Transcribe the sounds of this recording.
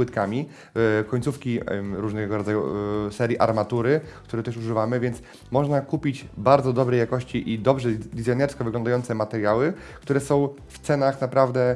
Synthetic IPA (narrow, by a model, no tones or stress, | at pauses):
wɘt̪kamʲi | kɔɲt̪sufkʲiɾuʐnɛɡɔɾɔd̪ajṵsɛɾʲjiʔaɾmat̪uɾɘk̚t̪uɾɛt̪ɛʂuʐɘvamɘvʲjɛnt̪s | mɔʐnakupʲit͡ɕbaɾd̪zɔd̪ɔbɾɛjakɔɕt͡ɕiʔid̪ɔbʐɛd̪ʲizajnɛɾskɔvɘɡlɔnd̪ajɔnt̪sɛmat̪ɛɾjawɘ | kt̪uɾɛsɔ̃w̃ | ft̪sɛnaxnapɾavd̪ɛ